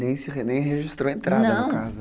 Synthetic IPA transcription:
nẽj̃sɪnẽj̃ɦeʒist̪ɾowẽnt̪ɾadnɐdɐ̃w̃kazʊ

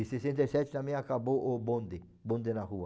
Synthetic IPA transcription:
isesẽnt̪esɛt͡ʃ̪t̪amẽakaboʔobõnd̪e | bõnd̪enahua

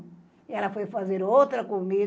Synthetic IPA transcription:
iɛlɐfojfazeɾowt̪ɾɐkomi

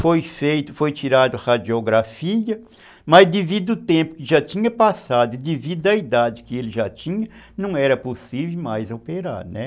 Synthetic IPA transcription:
fojfejt̪ʊfojt͡ʃiɾad̪ʊhad͡ʒioɡɾafiɐ | mɐzd̪evid̪ʊʊt̪ẽmpʊ̥kɪʒat͡ʃ̪ĩɲɐpasad̪ʊɪd̪evid̪ʊɐid̪ad͡ʒɪkɪelɪʒat͡ʃĩɲɐnɐ̃w̃ɛɾɐposivewmajzowpeɾa̰ɾnɛ

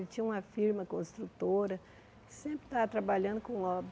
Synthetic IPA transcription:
lɪt͡ʃĩũmɐfiɾmɐkõst̪ɾut̪oɾɐ | sẽmpɾɪ̥t̪at̪ɾabaʎɐ̃nd̪ʊkõɔb

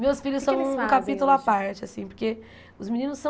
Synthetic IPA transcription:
mewsfiʎʊssɐ̃w̃kapit̪ulʊapaɾt͡ʃɪasĩpoɾke | ʊzminĩnʊsːɐ̃

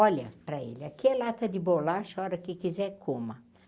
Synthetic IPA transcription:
ɔlɐpɾɐḛlɪɐkɪɛlat̪ɐd̪ɪbolaʃɔɾɐkɪkizɛkʰõmɐ

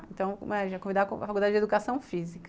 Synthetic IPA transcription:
ẽt̪ɐ̃w̃mɛʒakõvid̪akõa̰fakuld̪ad͡ʒed̪ukasɐ̃w̃fizik

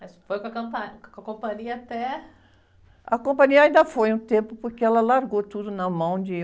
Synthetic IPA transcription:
mɐsfojkɐkɐ̃pɐkkɐkõpɐ̃ɲiɐat̪ɛ | ɐ̰kõpɐ̃ɲiɐaĩnd̪ɐfojũt̪ẽpʊpoɾkeɛlɐlaɾɡot̪ud̪ʊnɐmɐ̃w̃d͡ʒɪ

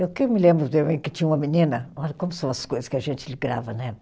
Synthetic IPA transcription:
ewkewmɪlẽmbɾʊd̪ẽmẽjkɪt͡ʃĩɲɐ̃umɐminĩnɐɔʎɐkõmʊsɐ̃w̃ɐsɐ̥skojzɐskɪɐʒẽnt͡ʃɪlɪɡɾa̰vɐnɛ

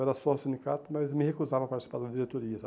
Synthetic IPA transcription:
ɛɾɐsɔsĩnd͡ʒ̪ikat̪ʊmɐzmɪhekuzavɐpaɾt͡ʃ̪isi̥paɾd̪ɐd̪iɾet̪oɾiɐsa

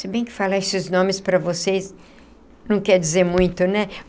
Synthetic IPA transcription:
sebẽj̃kɪ̥falaesɪznõmɪspɾɐvosejs | nɐ̃w̃kɛɾd͡ʒizeɾmũj̃t̪ʊnɛ

